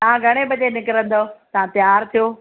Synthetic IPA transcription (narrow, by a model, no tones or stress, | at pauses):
t̪ɐɦãɡʱɐɽ̃ebɐʄenɪkɾə̃nd̪ot̪ɐɦãt̪jaːɾt̪ʰijoː